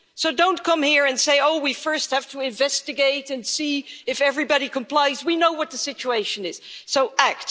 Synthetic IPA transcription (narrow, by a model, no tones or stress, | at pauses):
soʊdõʊ̃nkʰʌ̃mhiɹɨ̃nseɪoʊwifɜ˞st̚hæv̥tʰəɪ̃ɱvɛstɨɡeɪɾɨ̃nsiɨfɛvɹibɑɾikʰə̃mpl̥aɪzwinoʊwʌt̪̚ðɨsɪt͡ʃueɪʃɨ̃nɪz̥soʊʔæk̚t